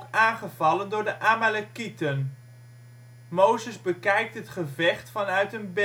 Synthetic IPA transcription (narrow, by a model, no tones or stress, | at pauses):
kaːnχəvɑləndʊːɹdəʔaːmalakitən | mowzəzbəkɛjk̚tɦətχəvɛχtfɑnœɥtənb